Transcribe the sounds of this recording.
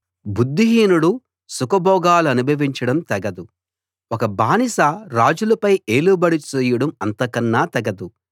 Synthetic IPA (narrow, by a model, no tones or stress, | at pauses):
bud̪ːiɦiːnuɽu | sukɐbʱɔːɡaːluɐnubʱɐʋiɲt͡ʃɐɽɐmt̪ɐɡɐd̪u | ɔkɐbaːnisaɾaːd͡ʒulɐpɐjeːlubɐɽit͡ʃeːjuɽɐmɐnt̪ɐkɐnːaːt̪ɐɡɐd̪u